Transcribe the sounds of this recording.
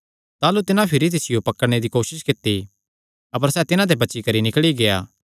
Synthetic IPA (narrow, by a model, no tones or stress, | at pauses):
t̪aːlut̪ɪnãpʰɪɾit̪̬ɪsɪjopɐkːəɽɽ̃ed̪ikoːʃɪskɪt̪ːi | ɐp̬əɾsɛːt̪ɪnãd̪ebɐːt͡ʃikɐɾinɪkɭiɡeːjaː